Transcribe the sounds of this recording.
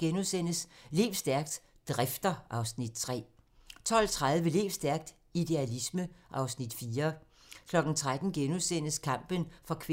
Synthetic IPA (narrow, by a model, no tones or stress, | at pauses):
ɡ̥enusen̰əsle̝ːʊsd̥æɐɡ̥̚d̥ | d̥ʁafd̥ɐʔɑ̈ʊsnid̥̚t͡sʰʁɛ̰ː | t͡sʰɒ̽l̰t͡sʰʁaðˠəʋele̝̰ːsd̥æɐɡ̥̚d̥ | id̥e̝ælisməʔɑ̈ʊsnid̥fiːɐ | kʰlɒ̽ɡ̥n̩t͡sʰʁad̥n̩ɡ̥enusen̰əskʰɑ̈m̰b̥ənfɒkʰʋ